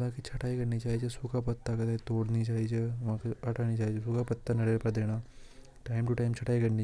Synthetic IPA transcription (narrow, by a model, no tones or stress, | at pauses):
ʋãkit͡ʃʰɐʈaːikɐɾnit͡ʃaːɦid͡ʒesʊkʰapɐt̪ːakɐt̪at̪oːɽnit͡ʃaːɦid͡ʒeʋãkiɐʈaːnit͡ʃaːɦid͡ʒesʊkʰapɐt̪ːanɐɽeːlpɐɾd̪eːɽ̃aː | ʈaːɪmʈuʈaːɪmt͡ʃʰɐʈaːikɐɾni